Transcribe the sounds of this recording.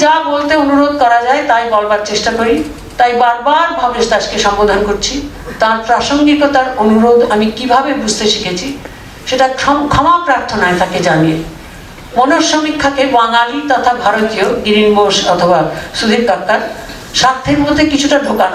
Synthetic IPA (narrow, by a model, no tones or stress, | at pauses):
d͡ʑabolt̪eonuɾod̪kɔɾad͡ʑaet̪ajbɔlbaɾt͡ɕeʃʈakoɾi | t̪ajbaɾbaɾbʱɔbeʃt̪aʃkeʃɔmbod̪ʱankoɾt͡ɕʰi | t̪aɾpɾaʃoŋɡikot̪aɾonuɾod̪amikibʱabebud͡ʑʱt̪eʃikʰet͡ɕʰi | ʃeʈakʰɔmapɾaɾt̪ʰonaet̪aked͡ʑanije | monoʃomikʰːakebaŋalit̪ɔt̪ʰabʱaɾot̪ijoɡiɾinboʃɔt̪ʰobasud̪ʱiɾkakːaɾ | ʃat̪ʰːeɾmod̪ʱːekit͡ɕʰuʈaɖʱokan